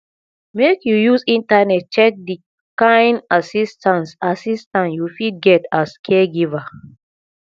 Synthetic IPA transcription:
mekjujusĩntanɛt̚t͡ʃɛk̚di | kãj̃nasistãnsasistãnjufid̚ɡɛtaskʰeɡiva

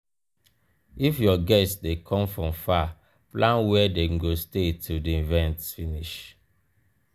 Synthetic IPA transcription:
ifjɔɡɛstsdekʰɔ̃mfɹɔ̃mfa | plãnwɛdeɡostetʰildiivɛ̃ntsfiniʃ

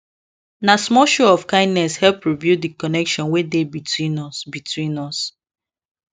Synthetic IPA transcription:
nasmɔʃɔɔfkãɪ̃ndnɛshɛlpɹibjudikɔnɛkʃɔ̃nwedebitʰwĩnɔsbitʰwĩnɔs

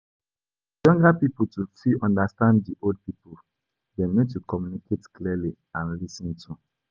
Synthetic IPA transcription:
jɔ̃ŋɡapiputufiʔɔ̃ndastãnddiʔold̚pipu | dɛ̃mnotːukɔmjunikʰetklili | ãnlisĩntʰu

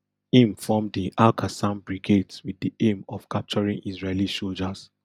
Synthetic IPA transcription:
ĩmfɔmdiʔalkʰasãnbɹiɡedswiðiẽmɔfkʰap̚t͡ʃɔɹĩŋizɹelisold͡ʒas

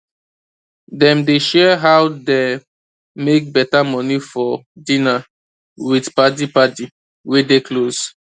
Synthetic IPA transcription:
dɛ̃mdeʃɛɦaʊde | mek̚bɛtamɔnifɔdĩna | widpat̬ipati | wedekloz

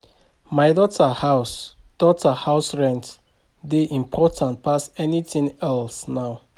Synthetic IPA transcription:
maɪdɔtʰahas | d̥ɔtʰahaʊsɹɛ̃nt | deʔĩmpʰɔtʰãnt̚pasɛnitĩŋɛlsnaʊ

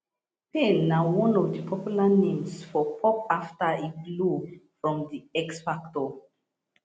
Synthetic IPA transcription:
pelnawɔ̃nɔvdəpʰɔpjulanẽmsfɔpʰɔp̚aftəiblufɹɔ̃mdiɛksfaktɔ

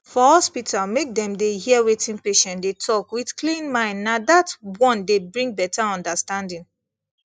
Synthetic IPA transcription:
fɔɔspitamek̚dɛ̃mdehiɛwetʰĩnpeʃɛ̃ndetʰɔkwidklĩnmãɪ̃nnadatwɔ̃ndebɹĩŋ̚bɛtʰaɔ̃ndastãndĩn

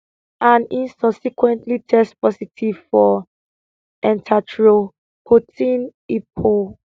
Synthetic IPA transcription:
ãnĩnsʌbsikwɛ̃ntlitʰɛstpʰɔsitʰiv̥fɔ | ɛ̃ntʰatʰɹo | pʰotʰĩnipʰo

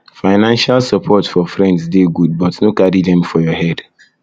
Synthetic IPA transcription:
faɪnãnʃalsɔpʰɔtfɔfɾɛ̃ndsdeɡud̚bɔtnokaɾidɛ̃mfɔjɔhɛd

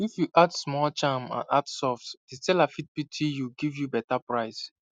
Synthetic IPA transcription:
ifjuʔadsmɔlt͡ʃãmã̰na̰dsɔftditɛlafit̚pitʰijuɡivjubɛtapɹaɪs

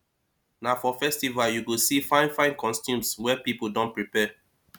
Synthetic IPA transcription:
nafɔfɛstivaljuɡosifãɪ̃nfãɪ̃nkɔ̃nstjũmswɛpipodɔ̃npɹipɛ

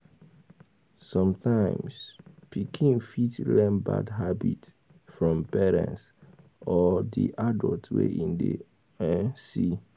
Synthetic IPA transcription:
sɔ̃mtãɪ̃mspʰikʰĩnfitlɛ̃nba̰dɦabit | fɹɔ̃mpɛɹɛ̰̃ns | ɔdḭʔadɔltwḛʔĩndḛ | ɛnsi

